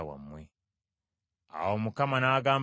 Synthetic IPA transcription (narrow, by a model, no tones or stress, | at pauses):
awa̰mwe | a̰womukamanaɡaːm